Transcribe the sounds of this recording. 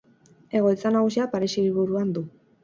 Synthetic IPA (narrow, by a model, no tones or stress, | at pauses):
e̞ɣ̞o̞jt͡sanaɣusiapaɾesiiβuɾuand̪u